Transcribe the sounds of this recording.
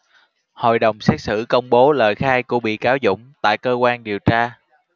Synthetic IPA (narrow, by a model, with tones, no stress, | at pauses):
ho̰˧˨jɗə˨˩wŋ͡msɛ˦˥k̚sɨ̰˧˩kə˧wŋ͡mɓo˨˦ləː˨˩jxaː˧jkṵ˧˩əɓḭ˧˨kaː˨˦wzʊ̰˧˥˨ŋ͡mt̪a̰ː˧˨jkəː˧kwaː˧nɗi˨˩wt͡ɕaː˧